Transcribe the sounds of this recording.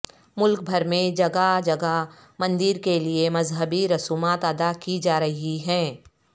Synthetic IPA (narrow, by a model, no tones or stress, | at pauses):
mʊlk̚bʱɐɾmẽd͡ʒɐɡad͡ʒɐɡa | mɐ̃nd̪ɪɾkeliemɐzɦəbiɾɐsuːmaːt̪ɐd̪akid͡ʒaːɾɐɦiɦɛ̃ː